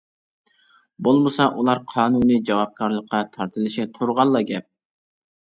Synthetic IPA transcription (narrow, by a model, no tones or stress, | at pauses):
bolˠməsɑʔulˠɑɾqʰɑːnunɨd͡ʒɑwɑp̚kʰɑɾlˠəqʰːɑt̪ʰɑɾt̪ʰɨlˠɪʃɪt̪ʰuɾʁɑlˠːɑɡʲɛp̚